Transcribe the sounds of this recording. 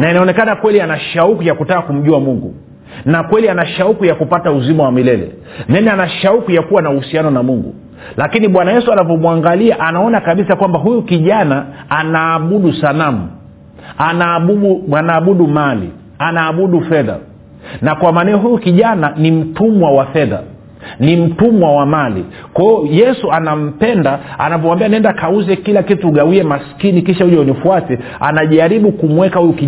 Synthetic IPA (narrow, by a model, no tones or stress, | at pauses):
nainaɔnɛkanakwɛlianaʃaukujakutaːkum̩ʄuamuŋɡṵ | nakwɛlianaʃaukujakupatauzimawamilɛlɛ̰ | nɛnɛanaʃaukujakuwanauhusianɔnamuŋɡṵ | lakiniɓwanajɛsuanavɔmwaŋɡaliaʔanaɔnakaɓisakwambaɦujukiʄanaanaːɓuɗusanamu | anaɓuuanaːɓuɗumalḭ | anaːɓuɗufɛða̰ | nakwamaːnɛɔɦujukiʄananim̩tumwawafɛða̰ | nim̩tumwawamalḭkwaiɔjɛsuanam̩pɛndaa̰navɔwambianiɛndakʰauzɛkilakituɡawiɛmaskinikiʃauʄɛunifuatɛ | a̰naʄaɾiɓukumwɛkahujuki